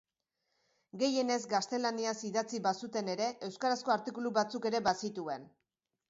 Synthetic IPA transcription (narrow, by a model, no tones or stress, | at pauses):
ɡe̞je̞ne̞zɡast̪e̞laniasiðat͡siβasut̪e̞ne̞ɾe̞ʔe̞wskaɾasko̞aɾt̪ikuluβat͡suke̞ɾe̞βasit̪ue̞n